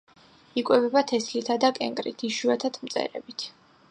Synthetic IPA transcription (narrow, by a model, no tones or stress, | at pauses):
ikʼwɛvɛbat̪ʰɛslit̪ʰad̪akʼɛ̰ŋkʼɾḭt̪ʰiʃuat̪ʰat̪ʰmt̪sʼɛ̰ɾɛ̰bit̪ʰ